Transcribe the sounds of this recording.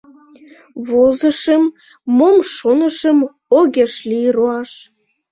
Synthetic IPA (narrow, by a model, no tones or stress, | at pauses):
βozəʃəmː | omʃonəʃəm | oɣʲeʃliɾoɑʃ